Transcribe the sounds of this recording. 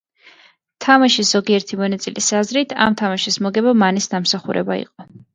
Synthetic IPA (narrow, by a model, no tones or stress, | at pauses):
t̪ʰamaʃisz̥ɔɡiɛɾt̪ʰimɔnat̪sʼilisazɾit̪ʰa̰mt̪ʰamaʃismɔɡɛbamanisnamsaχṵɾʔɛ̰baḭqʼɔ